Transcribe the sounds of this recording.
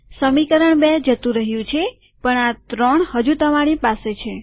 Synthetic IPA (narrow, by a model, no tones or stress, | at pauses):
səmikəɾəɳbed͡ʒət̪ũɾəɦjũt͡ʃʰe | pəɳat̪ɾəɳhəd͡ʒũt̪əmaɽ̃ipaset͡ʃʰe